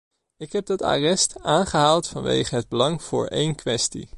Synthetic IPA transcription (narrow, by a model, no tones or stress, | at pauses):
ɪkɦɛb̚dɑta̰ːrɛstaːnχəɦaːlˠtfɑnʋḛjχənɦəd̚bəlɑŋv̥ʊːɹʔejnkʋɛstḭ